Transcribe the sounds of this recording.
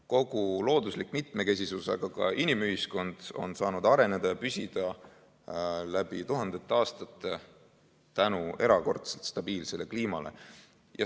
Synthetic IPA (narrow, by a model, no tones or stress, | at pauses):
ko̞ɡ̥ulo̞ːd̪̥uslikːˑmit̪ˑme̞ke̞s̬ʲisusɑ̰ɡ̥ɑkɑ̰ʔinimyɦisko̞nd̪̥o̞̰nsɑːnud̪̥ɑɾe̞ned̪̥ɑjɑpysʲid̪̥ɑ | læb̥it̪uɦɑnd̪̥e̞t̪ˑːeɑːst̪ɑt̪ːˑe | t̪ænue̞ɾɑko̞̰rt̪selt̪st̪ɑb̥iːlse̞le̞kliːmɑle̞̰ | jɑ̰